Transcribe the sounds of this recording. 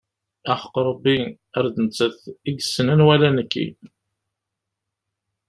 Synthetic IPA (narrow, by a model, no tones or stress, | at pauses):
æχə̥qɾˤɑbːi | æɾd̪ənt͡sːəθiɡsːənænwælænəkːḭ